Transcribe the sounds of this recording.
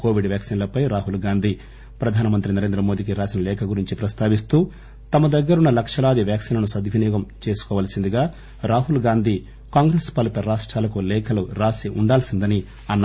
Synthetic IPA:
ko̞ːʋiɖʋjaːksinlɐpɐjɾaːɦulɡaːnd̪ʱi | pɾɐd̪ʱaːnɐmɐnt̪ɾinɐɾeːnd̪ɾɐmo̞ːd̪ik̬iɾaːsinɐlɛːkʰɐɡuɾiɲt͡ʃipɾɐst̪aːʋis̬t̪uː | t̪ɐmɐd̪ɐɡːɐɾunːɐlɐkʂɐlaːd̪iʋjaːksinɐnusɐd̪ʱʋinjɔːɡɐmt͡ʃe̞ːsu̥kɔːʋaːlɐsind̪iɡaː | ɾaːɦulɡaːnd̪ʱi | kaːŋɡɾeːspɐlit̪ɐɾaːʂʈɾaːlɐkulɛːkʰɐluɾaːsiʔuɳɖaːlsind̪ɐni | ɐnː

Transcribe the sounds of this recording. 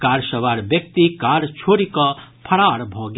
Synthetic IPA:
kaːɾʃəʋaɾbjək̚t̪ikaɾt͡ʃʰoːɾikɔpʰɐɽaːɽbʱɔːɡ

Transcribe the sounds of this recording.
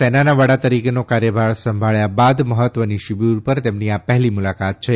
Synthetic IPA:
enanaʋəɽat̪əɾikenokaɾjəbʱaɾsə̃mbʱaɭjabad̪məɦət̪ʋəniʃibuɾpəɾt̪emniapɛɦlimulakat̪̚t͡ʃʰe

